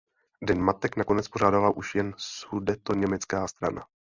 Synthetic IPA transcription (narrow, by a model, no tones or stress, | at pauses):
dɛnmat̪ɛknako̞nɛt͡spo̞ʒaːdalaʔuʃjɛnsudɛt̪o̞ɲɛmɛt͡skaːst̪ɾa̰na̰